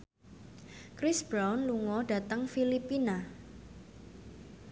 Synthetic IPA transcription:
kɾɪsb̥ɾawnluŋɔɖ̥a̤t̪əŋfilipina

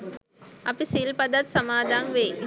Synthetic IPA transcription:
ɐpisilpɐd̪ɐt̪sɐmaːd̪ʱaːŋʋeː

